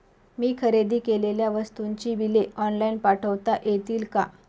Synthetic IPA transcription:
miːkʰəɾed̪iːkeleljaʋəst̪uɲt͡ɕiːbileɔnlainpaʈʰəʋt̪aʔjet̪iːlka

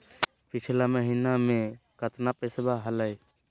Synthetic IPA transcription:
pit͡ʃʰilaməɦinamekət̪napesbaɦələj

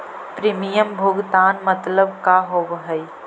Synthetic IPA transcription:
pɾiːmijəmbʱʊɡt̪aːnmət̪ləbkaɦobɦəi

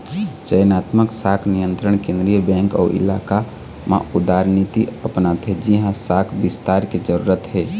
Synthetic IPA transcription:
t͡ʃəjnaːt̪məksaːkʰnijə̃nt̪ɾəɳ̃kẽnd̪ɾijəbɛ̃ŋkɔ̰ʔḭlaːka | mã̰ud̪aɾnit̪iəpnat̪ɦɛd͡ʒiɦãsaːkʰbist̪aɾked͡ʒəɾuːɾət̪ɦɛ

